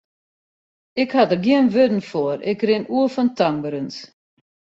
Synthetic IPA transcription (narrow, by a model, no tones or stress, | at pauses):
ɪkhadərɡiənʋødn̩fɔɾɪ̰krɪnuəfɔntaŋbəɾəns